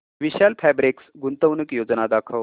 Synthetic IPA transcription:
ʋiɕalpʰæbɾiksɡunt̪əwnəkjod͡znad̪akʰə

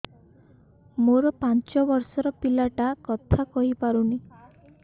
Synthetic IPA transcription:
moɾɔpant͡ʃɔbɔɾsɔɾɔpilaʈakɔt̪ʰakɔɦipaɾuni

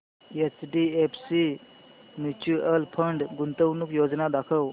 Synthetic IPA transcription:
et͡sɖiepʰsi | mjut͡ɕuəlpʰəɳɖɡunt̪əwnukjod͡znad̪akʰəw

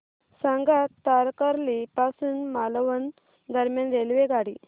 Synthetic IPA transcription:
sãŋɡat̪aɾkəɾlipasuːnmalʋən | d̪əɾmjanɾelʋeɡaɽi

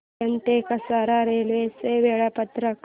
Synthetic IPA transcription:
ɐnt̪ekɐsaɾaɾelʋeseʋeɭapət̪ɾək

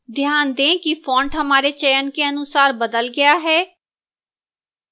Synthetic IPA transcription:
d̪ʱjaːnd̪ẽːkifʰɔ̃ːɳɖɦəmaːɾet͡ʃɛːjənkeənʊsaːɾbəd̪əlɡɪjaːɦɛː

